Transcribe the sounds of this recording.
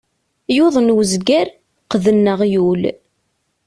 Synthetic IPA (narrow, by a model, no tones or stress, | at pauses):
jʊðˤnwzɡæɾ | qðənːəʁjul